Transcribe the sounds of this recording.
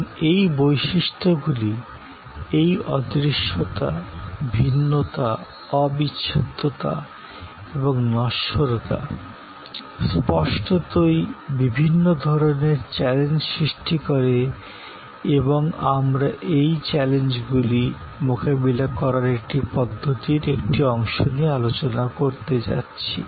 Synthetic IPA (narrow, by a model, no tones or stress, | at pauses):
ejbojʃiʃt̪ʰoɡuli | ejɔd̪ɾiʃːot̪a̰bʱinːot̪a | ɔbiɕʰat̪ːot̪a̰ | eboŋnɔʃoɾot̪a̰ | spɔʃʈot̪ojbibʱinːod̪ʱɔɾoneɾt͡ɕɛlend͡ʑsɾiʃʈikoɾe | eboŋamɾaʔejt͡ɕɛlend͡ʑɡuli | mokabilakɔɾaɾek̚ʈipɔd̪ʱːot̪iɾek̚ʈiɔŋʃoniealot͡ɕonakoɾt̪ed͡ʑa̰tːɕʰḭ